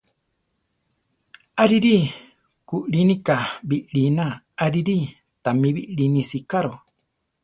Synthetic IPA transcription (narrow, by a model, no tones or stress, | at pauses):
aɾiɾi | kuʔɾinĩkabiʔɾinã | aɾiɾi | t̪amĩβiʔɺinĩsikaɾo